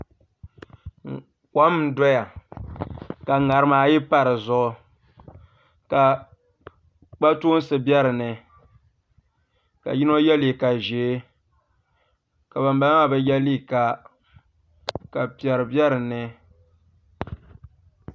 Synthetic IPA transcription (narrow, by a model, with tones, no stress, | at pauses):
kʷa˦m˦dɔ˦ja˨ | ka˨ŋa˨ɾɨ˦maː˨˦jɪ˦pa˦ɾɨ˨zʊ˦ʔ | ka˨ | k͡pa˦tu˦n˦sɨ˨bjɛ˦ɾɨ˨nɨ˨ | ka̰˨ji˦no˦jɛ˦li˨ka˨ʒeː˨˦ | ka˨ba˨mba˦a˦˨bɛ˨jɛ˦li˦˨ka˨ | ka˨pi˨ɛ˨ɾɨ˨bɛ˦ɾɨ˨nɨ˨